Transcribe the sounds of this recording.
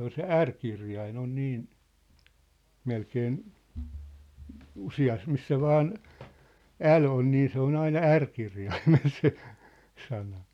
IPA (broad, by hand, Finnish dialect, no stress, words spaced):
on se ærkirjɑin on̆ niːn melkeːn usiɑs misːæ ʋɑːn æl on niː se on ɑinɑ ærkirjɑimel se sɑnɑ